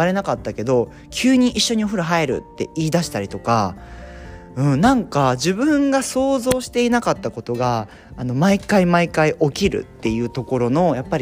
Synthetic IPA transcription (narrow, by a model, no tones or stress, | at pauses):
aɾe̞nakat̪ːake̞d̪o̞ | kʲʰɨːɲ̟iʔiɕːo̞ɲ̟ioɸɯ̟ɾɯ̟ɦaeɾɯ̟̰t̪ːe̞̰iːd̪aɕi̥t̪aɾʲit̪o̞ka | ɯ̟̃ɴnãŋkad͡ʑibɯ̟̃ŋɡaso̞ːzo̞ːɕi̥t̪e̞inakat̪ːako̞t̪o̞ɡaː | no̞maikaimaikaiʔo̞kʲiɾɯ̟̰t̪ːe̞jɯ̟ːt̪o̞ko̞ɾo̞no̞japːaɾʲi